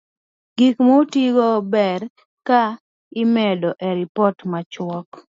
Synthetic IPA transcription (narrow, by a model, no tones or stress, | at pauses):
ɡikmotiɡobɛr | ka | ɪmɛdɔʔeɾipɔtmat͡ʃwɔk